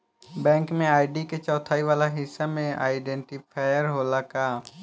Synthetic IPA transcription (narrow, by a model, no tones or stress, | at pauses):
bɛ̃ːŋkmẽaːɪɖiket͡ʃɔːt̪ʰaːiʋaːlaɦɪsːamẽa̰ːɪɖɛ̃ːɳʈɪpʰaːjəɾɦoːlakaː